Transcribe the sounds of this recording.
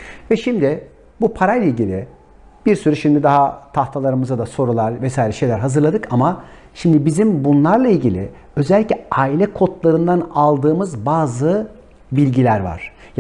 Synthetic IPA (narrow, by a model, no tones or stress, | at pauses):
vɛʃimd̪ɪ | bupʰaɾajlʲˠailʲɟilʲɪ̰ | b̥iɾsyɾyʃimd̪id̪aɦat̪ʰaht̪ʰalˠaɾɯmɯzad̪aso̞ɾulˠaɾvɛsaːjiɾɛʃe̞jlʲæɾɦazɯɾlˠad̪ɯkʰama | ʃimd̪ibizimbunlˠaɾlˠailʲɟilʲɪ̰ | ø̞zɛlʲːicʲlʲɛaːilʲɛkʰot̪lˠaɾɯnd̪analˠd̪ɯːmɯzbaːzɯ | bilʲɟilʲæɾva̰ɾ̥ | j